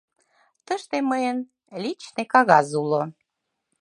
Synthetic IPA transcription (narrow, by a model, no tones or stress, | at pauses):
t̪əʃt̪eməjən | lʲit͡ɕnekɑɣɑzulo